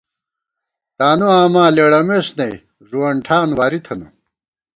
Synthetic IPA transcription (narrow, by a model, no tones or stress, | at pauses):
t̪aːnuaːmaːleːɽɐmeːsnɐj | ʐuwɐɳʈʰaːnwaːɾit̪ʰɐnṵ